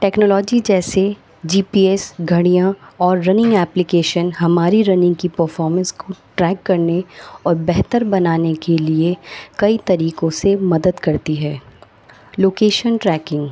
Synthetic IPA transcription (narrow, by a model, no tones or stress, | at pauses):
ʈɛːknɔːlɔːd͡ʒid͡ʒɛːse | d͡ʒiːpiɛsɡʱɐɽijãɔːɾːɐnɪ̃ŋɡɛːplɪkeːʃənɦɐmaːɾiɾɐnɪ̃ŋɡkipɐɾfɔːɾmə̃nskoʈɾɛːkːɐɾneɔːɾbɛɦt̪əɾbɐnaːnekeliekɐit̪ɐɾiːkõsemɐd̪əd̪kɐɾt̪iɦɛː | loːkeːʃənʈɾɛːkɪ̃ŋɡ